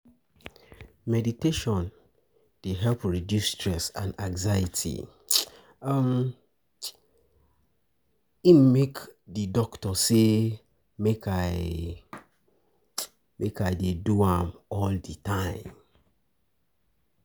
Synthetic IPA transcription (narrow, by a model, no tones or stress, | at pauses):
mɛditeʃɔ̃n | d̥eɦɛlpɹidjustɹɛsãnãŋzajitʰḭ | am | im̩mekdidɔktɔse | mekaɪ | mʔekaɪdeduãmɔlditʰãɪ̃m